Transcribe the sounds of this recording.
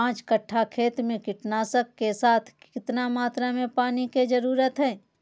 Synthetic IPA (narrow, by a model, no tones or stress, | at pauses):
ãːt͡ʃkəʈʰːakʰeːt̪mẽkɪʈnaːsəkːesaːt̪ʰkɪt̪namaːt̪ɾamẽpaːniked͡ʒəɾuːɾət̪ɦɛː